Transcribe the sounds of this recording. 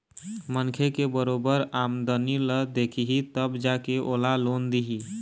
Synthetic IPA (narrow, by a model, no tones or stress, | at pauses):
mənkʰekebəɾobəɾamd̪əniləd̪ekʰiɦit̪əbd͡ʒakeʔoːlalond̪iɦi